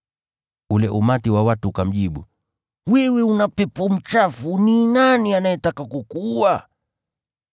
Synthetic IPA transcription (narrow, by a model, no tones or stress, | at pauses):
ulɛʔumatiwawatuukam̩ʄiɓu | wɛwɛunapɛpɔm̩t͡ʃafuninanianajɛtakakukua